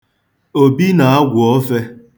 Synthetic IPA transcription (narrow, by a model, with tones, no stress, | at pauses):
o˨bi˦na˨a˦ɡʷʊ˨ɔ˦fe˦